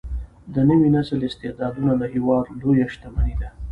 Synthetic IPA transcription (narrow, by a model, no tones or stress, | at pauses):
d̪ənəwinasəlɪst̪ɪd̪ɑd̪unalahiwɑd̪lojaʃt̪amanid̪a